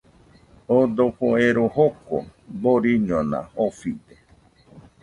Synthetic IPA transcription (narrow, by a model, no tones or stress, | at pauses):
od̪opoeɾohoko̰boɾiɲõnã̰ofide